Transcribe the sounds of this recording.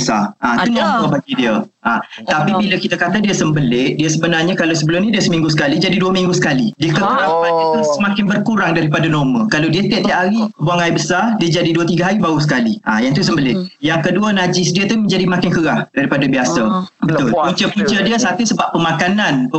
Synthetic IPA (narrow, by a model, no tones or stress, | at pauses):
əsa̰ʔat̪unamkabaɡidiəʔat̪apibilakit̪akat̪adiəsəmbəlɪʔdiəsəbənarɲakalawsəbəlʊmnĩdiəsəmĩŋɡus̬ə̥kalid͡ʒadiduəmiŋɡusə̥kalidiəkəkəɾapanat̪usəmãkɪnbərkuɾaŋdaɾipadanɔməkalawdiət̪iaʔ̚t̪iaʔhɦaɾipəbuaŋajbəsardiəd͡ʒadiduət̪iɡaɦaɾibausə̥kaliʔajaŋt̪us̬əmbəlɪjaŋkəduanad͡ʒɪsdiət̪umə̃ɲd͡ʒadimakɪnkəɾahdaɾipadabiasabət̪ʊluɲt͡ʃəpuɲt͡ʃədiəsat̪usəbapːəmãkanãnpə